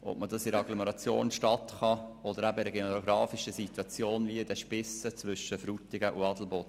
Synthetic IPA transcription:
ʔɔ̰bmədɑsɪɾɑɡlomoɾɑt͡sjo̰ːnʃtɑt̪χɑɔdəɾæbɪɾəɡeoɡɾɑːfiʃəsitwɑt͡sjoːnvidɛʃpɪsːət͡svʏʃəfɾut̪ɪɡəʔuɑd̪l̩ˠbot

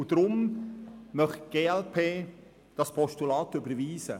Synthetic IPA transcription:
ʊd̪̥ɾʊm | mœχɡ̥eːɛlpʰeː | d̥ɑspʰɔʃtulɑːt̪ʏbəɾʋiːsə̰

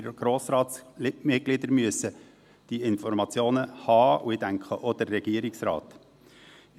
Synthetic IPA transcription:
ɡ̥ɾoːsɾɑːt̪smɪɡ̥lɪd̪əɾmyəsə | d̪̥iɪnfɔɾmɑt͡sjoːnəhɑːuɪdæŋkχəʔɔd̪ərːɛɡ̥iəɾɪksɾɑ̰ːt̪

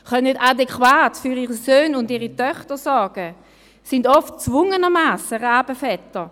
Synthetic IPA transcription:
χœnədadɛkwaːtfyʁiːʁisøːnʊndiːʁitœχtəsɔɐɡ̥ə | sɪndɔftt͡svʊŋənəmaːsəʁaːb̥əfɛtə

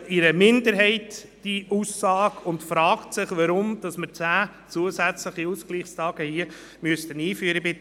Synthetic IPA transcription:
ɪɾəmɪndəɾɦɛɪt | d̥iʔusːɑːɡʊntfɾɑːktsɪχʋɑɾʊmd̥ɑsməɾt͡sæː | t͡suəsæt͡sləχiuskliːχstɑːɡ̥əhiə | møəstəniːfyəɾəbɪ

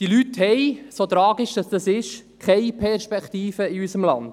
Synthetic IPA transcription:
tilythɛɪsot̪ɾɑːɡɪʃd̥ɑsd̥̪ɑsɪʃ | kʰɛɪpʰɛɾʃpɛkχt̪iːfəiysəmlɑnd̥

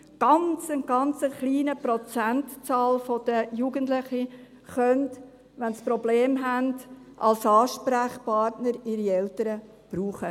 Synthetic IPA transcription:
ɡ̥ɑnt͡sənɡ̥ɑnt͡səχliːnəprɔt͡sæntt͡sɑːlfod̥əjuɡəntlɪχi | χœnt | ʋɛnsprɔbleːmɦændʔɑlsɑːʃpɾæχpʰɑːɾtnəɾɪɾiɛltəɾə | b̥ɾuːχə

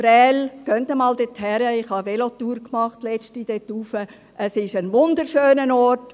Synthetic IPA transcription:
b̥ɾɛːlɡ̥œntəmɑːldɪthɛɾəɪχhɑʋelot̪uːɾkmɑχtlɛt͡ʃtid̥ɛtuːfə | ʔəsɪʃənʋʊnd̪əɾʃøːnənɔt

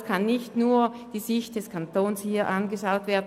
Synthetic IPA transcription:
skʰanːɪçtnuːɐd̥iːzɪçt̚d̥ɛskʰantoːnshiːɐʔanɡəʃaʊtv̥eːɐd̩

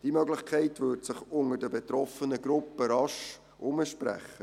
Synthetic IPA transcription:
d̥imœɡlɪχkʰɛɪtʋʏɾtsɪχʊŋəɾdəbetɾɔfənəɡɾʊpːəɾɑʃ | ʔʊməʃpɾæ̰χːə

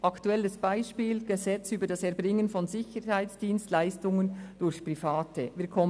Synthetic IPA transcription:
ʔɑktuɛlːəsb̥aɪʃpiːlɡ̥əzɛt͡syːbəɾdɑsɛɐɾbʁɪŋənfɔnzɪçəɾhaɪsd̥iːnstlaɪstʊŋənd̥ʊɾçpr̥ifaːtəviːkʰɔm

